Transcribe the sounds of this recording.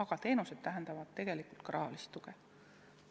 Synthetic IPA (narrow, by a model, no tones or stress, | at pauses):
ɑɡ̥ɑt̪e̞ːnuse̞d̪̥t̪æɦend̪̥ɑvɑd̪̥t̪e̞ɡ̥e̞likˑult̪̚kɾɑːɑlist̪ːˑuɡ̥e